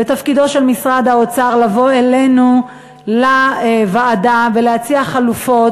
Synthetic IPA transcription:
bet̪afkido̞ʃe̞lmisʁad̪aot͡saʁlavo̞elenu | lavaːdaveleat͡siaχalufo̞t

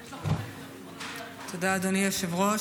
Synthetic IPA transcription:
t̪od̪aːd̪oniaʃevʁo

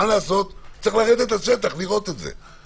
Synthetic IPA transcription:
alaːso̞t̪ːt͡siχlaːʁet̪e̞t̪aʃet̪aχliʁo̞t̪et̪zḛ

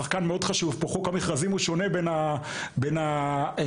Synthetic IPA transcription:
aχkanmeo̞dχaʃuvpoχokamiχʁazimuʃo̞ne̞bena | bena

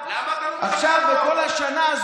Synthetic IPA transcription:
aχʃaveko̞lhaʃanaːz

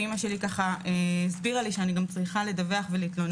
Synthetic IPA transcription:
imaʃe̞likaχaʔeisbiʁaliʃeaniɡamt͡sʁiχale̞daveaχve̞liːtlo̞n

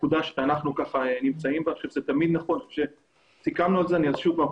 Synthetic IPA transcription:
kud̪aʃanaχnukaχaenimt͡saimbaʃuvzet̪amid̪naχo̞nʃe | sikamnualzeaniazʃuva

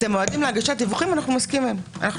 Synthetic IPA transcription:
temoad̪imleaɡaʃat̪̚d̪ivuχimanaχnumoskimema̰naχ

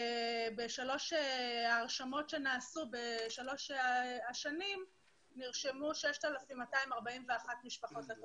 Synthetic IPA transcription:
beʃalo̞ʃeːʁʃamo̞tʃe̞naːsube̞ʃalo̞ʃaʃanim | niʁʃemuʃeʃtalafimːataimaʁbaimveaχatmiʃpaχo̞tleto

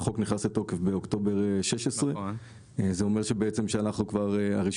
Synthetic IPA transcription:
χo̞kniχnaset̪o̞kefbeo̞kt̪o̞be̞ʁʃeʃesʁe | zeo̞me̞ʁʃebeet͡se̞mʃeanaχnukvaʁea̰ʁiʃ

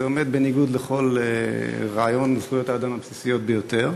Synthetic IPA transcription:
eo̞me̞d̪̚beniɡud̪le̞χo̞leʁaajo̞nːosujot̪aːd̪amabsisijo̞t̪̚bejo̞t̪e̞ʁ

